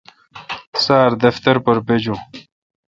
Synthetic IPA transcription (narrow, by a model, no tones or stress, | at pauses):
saːɾd̪ɐft̪ɐɾpoɾped͡ʑũ